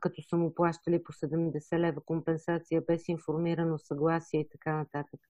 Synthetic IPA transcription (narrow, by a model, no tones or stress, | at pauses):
kɐt̪ɔsəmuplˠaʃt̪əliposɛd̪ɛmd̪ɛsɛlɛvəkompɛnsat̪sijəbɛsinfoɾmiɾənosɐɡlˠasiɛit̪ɐkanɐt̪at̪ək